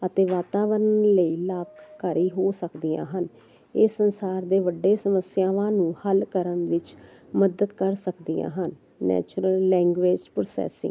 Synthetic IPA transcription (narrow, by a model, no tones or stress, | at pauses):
ət̪eːʋaːt̪aːʋəɾnləiːlaːp̚kəɾiːɦoːsəkd̪ijã̰ːɦən | ɪːsənsaːɾd̪eːʋəɖːeːsəməsjãːʋãːnũːhəlkəɾənʋɪt͡ʃməd̪əd̪kəɾsəkd̪ijã̰ːɦənː | ɛ̰ːt͡ʃɾəlːɛ̃ːŋɡʋeːd͡ʒpɾoːsɛ̰ːsɪ̰ŋɡ